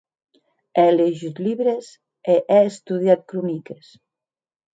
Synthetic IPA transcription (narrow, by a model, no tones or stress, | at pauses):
ɛleʒit̪liβɾes | eʔɛest̪uð̞jat̪̚kɾunikes